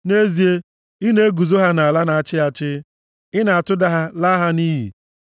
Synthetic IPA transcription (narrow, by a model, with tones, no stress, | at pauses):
ne˦zi˨e˦ | ɪ˦ne˦ɡu˨zo˦ɦa˦na˨a˨la˦na˨a˨t͡ʃɪ˦a˨t͡ʃɪ˦ | ɪ˦na˨a˨tʊ˦da˦ɦa˦la˦ɦa˦ni˦ɦḭ˨